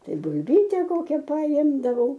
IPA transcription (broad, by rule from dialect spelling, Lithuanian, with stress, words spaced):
ˈtɐɪ bʊlʲˈbʲiːtʲɛ ˈkoːkʲɛ pɐˈɪmdɐʋɐʊ